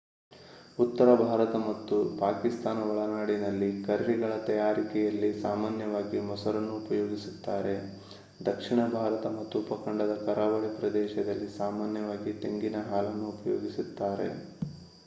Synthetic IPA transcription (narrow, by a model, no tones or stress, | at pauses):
ut̪ːɐɾɐbʱaːɾɐt̪ɐmɐt̪ːupaːkist̪aːnɐʋɐɭɐnaːɽinɐlːikɐɾɐɾiɡɐɭɐt̪ɐjaːɾikɛjɐlːisaːmaːnjɐʋaːɡimɔsɐɾɐnːuːpɐjoːɡisut̪ːaːɾe̞ | d̪ɐkʂiɳɐbʱaːɾɐt̪ɐmɐt̪ːuːpɐkɐɳɖɐd̪ɐkɐɾaːʋɐɭipɾɐd̪ɛːʃɐd̪ɐlːisaːmaːnjɐʋaːɡit̪eŋɡinɐɦaːlɐnːuːpɐjoːɡisit̪ːaːɾe̞̰